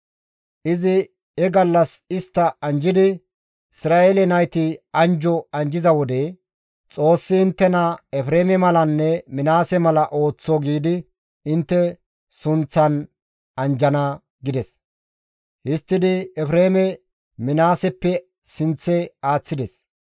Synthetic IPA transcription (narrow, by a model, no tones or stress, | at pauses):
ʔɪzɪ | ɛɡɐlːɐsɪst̪ːɐɐnd͡ʒɪd̪ɪ | ɪsɾaːeːlɛnɐjt̪ɪɐnd͡ʒɔɐnd͡ʒɪzɐwɔd̪ɛ | t͡sʼo̞ːsːɪɪnt̪ːɛnɐɛfɾeːmɛmɐlɐnːɛmɪnaːsɛmɐlɐʔo̞ːt͡sːɔɡiːd̪ɪ | ɪnt̪ːɛ | sʊnt͡sːɐn | ɐnd͡ʒɐnɐ | ɡɪd̪ɛs | hɪst̪ːɪd̪ɪɛfɾeːmɛ | mɪnaːsɛpːɛ | sɪnt͡sːɛaːt͡sːɪd̪ɛs